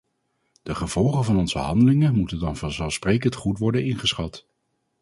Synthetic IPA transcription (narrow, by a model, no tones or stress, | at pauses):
d̥əχəv̥ɔlˠχəvɑnɔnzəɦɑ̰ndəlɪŋəmutəndɑnvɑnzɛlˠsprejkəntχutʋɔɹdənɪnχəsχɑt